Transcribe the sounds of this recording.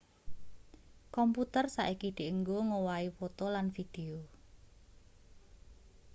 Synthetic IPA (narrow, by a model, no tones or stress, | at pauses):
kɔmput̪ərsa̰ʔikid̪̥eʔəŋɡoŋowaifɔt̪ɔlanfid̪̥eo